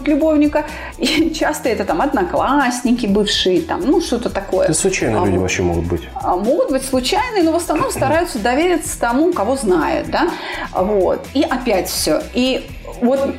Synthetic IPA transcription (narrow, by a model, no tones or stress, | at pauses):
t̪lʲʊbo̞vnʲɪkə | it͡ɕast̪əɛt̪ət̪amɐd̪nɐklˠasʲnʲɪkʲɪbɨfʂɨjɪt̪a̰mnuʂt̪o̞t̪ət̪ɐko̞jə̰slˠʊt͡ɕæjnɨlṵɪvɐ̰pɕːemoɡʊt̪̚bɨtʲmo̞ɡʊt̪̚bɨtʲslˠʊt͡ɕæjnɨjnovəsnɐvno̞mst̪ɐɾajʊt̪səd̪ɐvʲeɾʲɪt̪sə̥t̪ɐmukɐvo̞znajʊ̰t̪̚d̪avo̞t̪iʔɐpʲætʲfsʲo̞i | vo̞t̪